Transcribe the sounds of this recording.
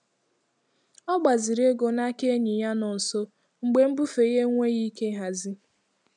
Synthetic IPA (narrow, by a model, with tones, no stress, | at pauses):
ɔ˦ɡ͡ba˨zi˨ɾe˦ɡo˨na˦ke˦ɲi˨ja˦nɔ˨n̩˨so˦ | ŋ͡m̩˨ɡ͡be˨˦m̩˦bʊ˦fe˨ɣe˦ŋʷe˦ɣi˦ke˦ɦa˨zi˦